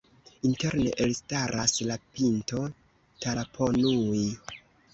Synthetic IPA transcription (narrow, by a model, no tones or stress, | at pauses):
inte̞ɾneʔelstaɾʔaslapinto̞ | talapʰonui